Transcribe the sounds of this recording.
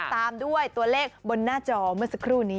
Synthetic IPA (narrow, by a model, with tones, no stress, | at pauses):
t̪aː˧mdu˥˩əjt̪u˧ɐleː˥˩k̚bo˧nːaː˥˩t͡ɕɔː˧˩mɯ˥˩sa˧kʰɾuː˥˩niː˦˥